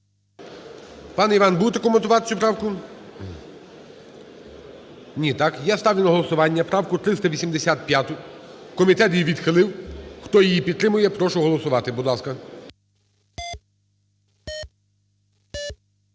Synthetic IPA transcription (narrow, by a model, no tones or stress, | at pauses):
pɑnɛiʋɑnbud̪t̪ɛkɔment̪ʊʋɑt̪ɪ̥t͡sʲupɾɑwkʊ | nʲit̪ɑkjast̪ɑwʲjʲʊnɐɦɔlˠɔsʊʋɑnʲːɐpɾɑwkʊt̪ɾɪst̪ɐʋʲisʲimd̪esʲat̪̚pʲjat̪ʊ | kɔmʲit̪ɛt̪jiʋʲid̪xɪlˠɪwxt̪ɔjijipʲid̪t̪ːɾɪmʊjɛpɾɔʃʊɦɔlˠɔsʊʋɑt̪ɪbʊd̪lˠɑskɐ